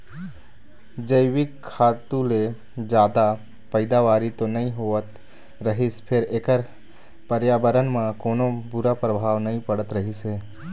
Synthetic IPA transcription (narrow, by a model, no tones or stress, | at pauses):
d͡ʒəɪʋɪkʰːaːt̪ũle | d͡ʒjaːd̪a | pəɪd̪aʋaːɾit̪onɐɦĩɦoːət̪ | ɾəɦɪspʰɪɾeːkəɾ | pəɾjaːbəɾənmãkoːnõbʊɾapɾəbʱaːʋnɐɦĩpəɽət̪ɾəɦiseː